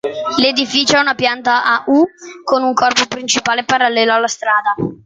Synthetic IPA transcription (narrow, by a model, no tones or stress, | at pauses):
led̪ifiːt͡ʃoɛunapjant̪aʔaʔukonuŋkɔrpopɾint͡ʃipaːlepaɾalːɛːloalːast̪ɾaːd̪a